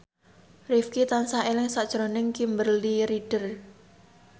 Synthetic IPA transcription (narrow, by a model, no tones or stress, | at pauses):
rifkit̪ansaelɪŋsaʔd̥ʒ̥ɾonɪŋkimbərliɾiɖ̥ər